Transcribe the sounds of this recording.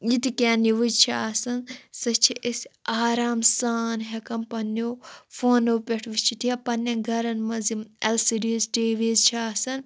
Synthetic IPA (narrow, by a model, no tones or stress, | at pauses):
jit̪ikaːniʋud͡ʒt͡ʃʰiaːsɐnsɐt͡ʃʰiʔesʲaːɾaːmsaːnɦekɐmpɐnːoːfʰoːnopʲeʈʰʋist͡ʃʰit̪ʰiɐpɐnːɐnɡʱɐɾɐnmɐzimɐlsiɖiːzʈeːʋizt͡ʃʰiaːsɐn